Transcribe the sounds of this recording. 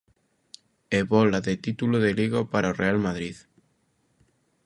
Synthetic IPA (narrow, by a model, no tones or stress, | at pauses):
eβolaðet̪it̪uloðeliɣopaɾaorealmaðɾið